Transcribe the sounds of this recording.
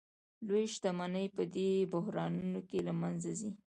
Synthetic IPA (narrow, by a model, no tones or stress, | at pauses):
lojʃt̪amanəjpəd̪ebʊɦɾɑnunokelamanzazi